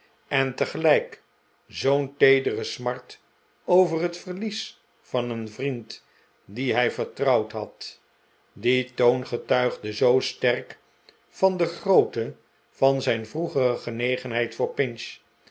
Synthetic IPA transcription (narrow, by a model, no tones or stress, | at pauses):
ɛntəχəlɛjk | zowntejdərəsmɑɹt | owvərɦətfərlis | fɑnənvrint | diɦɛjvəɹtrɑwtɦɑt | ditownχətœɥχdəzowstɛrk | fɑndəχrowtə | vɑnzɛjnvruχərəχənejχənɦɛjtfʊːɹpɪnʃ